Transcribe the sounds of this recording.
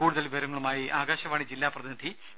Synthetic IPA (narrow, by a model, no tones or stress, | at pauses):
uːɽuðɐlʋiʋɐɾɐŋːɐɭumaːjiʔaːɡaːɕɐʋaːɳid͡ʑilːaːprɐðinɐd̪ʱi